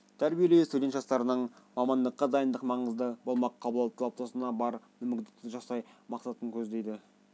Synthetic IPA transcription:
t̪ʰæɾbije̞le̞wst̪ud̪et̪ʒɑst̪ɑɾənəɴmɑmɑnd̪əqːɑd̪ɑjənd̪əqmɑɴəzd̪əbo̞lˠmɑqqʰːɑbəlˠɑlˠt̪ʰːəlˠop̚t̪ʰosənɑbɑɾ | ɵmɪɡʲd̪ɪk̚t̪ɪʒɑsɑjmɑqsɑt̪əŋkʲʰɵzd̪e̞jd̪ɪ

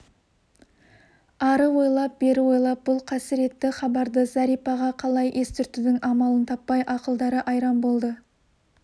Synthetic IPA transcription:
ɑɾəwo̞jlˠɑp̚beɾɪwo̞jlˠɑp̚b̥ʊlˠqʰɑsəɾe̞t̪ːɪχɑbɑɾd̪əzɑɾijpɑʁɑqʰɑlˠɑjʔe̞st̪ʰʏɾt̪ɪd̪ɪŋɑmɑlˠənt̪ʰɑpːɑjʔɑqəlˠd̪ɑɾəʔɑjɾɑmbo̞lˠd̪ə

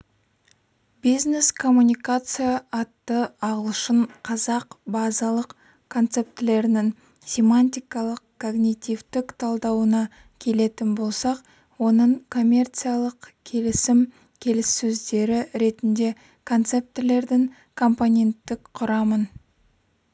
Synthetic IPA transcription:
bizne̞skʰo̞mːunʲijkat̪sɨjaːt̪ːəɑʁəlˠʃəɴqʰɑzɑqbɑzɑlˠəq | kʰo̞nt̪se̞p̚t̪ele̞ɾɪnɪŋ | sʲe̞manʲt̪ʲijkɑlˠəqkʰo̞ɡnʲit̪ʲivt̪ɪkt̪ʰɑlˠd̪ɑwənɑ | kʲʰe̞le̞t̪ɪnbo̞lˠsɑq | wo̞nəɴkʰo̞mʲe̞rt̪sɨjalˠəqkʲʰe̞lɪsɪm | kʲʰe̞lɪsːɵzd̪e̞ɾɪɾe̞t̪ɪnd̪e̞ | kʰo̞nt̪se̞p̚t̪ele̞ɾd̪ɪŋ | kʰo̞mpo̞nʲe̞nt̪ːɪkqʰʊɾɑmən

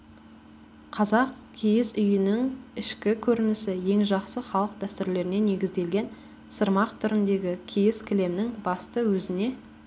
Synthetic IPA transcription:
qʰɑzɑq | kʲʰejɪzʏjɪnɪŋɪʃkʲɪkʲʰɵɾɪnɪsɪje̞ŋʒɑqsəχɑlˠəq̚d̪æst̪ɪɾle̞ɾɪne̞ne̞ɡʲɪzd̪e̞lɡʲe̞n | səɾmɑqt̪ʰʏɾɪnd̪e̞ɡʲɪkʲʰijɪskʲʰɪle̞mnɪŋbɑst̪əwɵzɪne̞

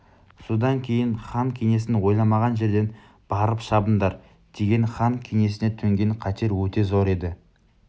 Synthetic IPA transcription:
sod̪ɑŋkʲʰe̞jɪnχɑnkʲʰene̞s̬ɪnwo̞jlˠɑmɑʁɑnʒe̞ɾd̪e̞n | b̥ɑɾəpʃɑbənd̪ɑɾ | d̪̥e̞ɡʲe̞nχɑŋkʲʰeŋe̞s̬ɪne̞t̪ʰɵŋɡʲe̞ɴqʰɑt̪ʰe̞ɾwɵt̪e̞zoɾe̞d̪ɪ

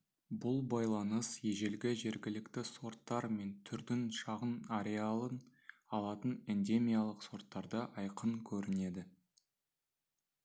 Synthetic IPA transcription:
bʊlˠbɑjlˠɑnəsje̞ʒe̞lɡʲɪʒe̞ɾɡʲɪlɪkt̪ɪso̞ɾt̪ːɑɾme̞nt̪ʰʏɾd̪ɪnʃɑʁənaɾe̞alˠənɑlˠɑt̪ənend̪e̞mʲijalˠəqso̞ɾt̪ːɑɾd̪əʔɑjqəŋkʲʰɵɾɪne̞d̪ɪ

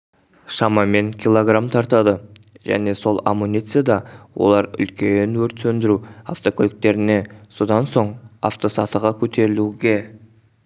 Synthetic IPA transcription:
ʃɑmɑme̞ŋkʲilˠo̞ɡramt̪ʰɑɾt̪ɑd̪əʒæ̰ne̞so̞lˠa̰munʲijt̪sɨjad̪ɑwʔo̞̰lˠɑɾʏ̰lkʲe̞nwɵɾt̪sɵnd̪ɪɾua̰ft̪o̞kʲʰolɪk̚t̪e̞ɾɪne̞so̞d̪ɑnso̞ɴa̰ft̪o̞sɑt̪əʁɑkʲʰɵt̪ʰe̞ɾɪluɡʲe̞

